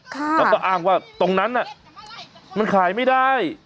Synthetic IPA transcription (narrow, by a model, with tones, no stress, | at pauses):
kʰaː˥lːkɔː˥˩ʔaː˧˩ŋwaː˥˩t̪o˧ŋna˦˥nːʔa˨˩ʔ | ma˧nkʰaː˩˦jma˥˩jdaː˥˩j